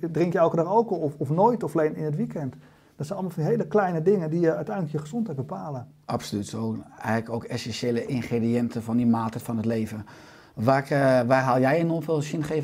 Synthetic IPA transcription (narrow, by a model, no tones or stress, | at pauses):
drɪŋkjəɛlˠkədɔxowkɔɔɔfnoːjtɔfleːnɪnətʋikɛnt | d̥ɔtsɛjnɑlˠmlˠfndiɦeːləklɛjnədɪŋədijəœɥtɛjnələkjəχəzɔntɦɛjt̚bəpaːlə | ʔapsolytsowɛ̰ɛkowkɛsɛnseːləʔɪnχrediɛntəfɔndimaːtəfɔnɦətleːvə | ʋakʋaːrɦalˠjɛjɪnofelˠsɪnχev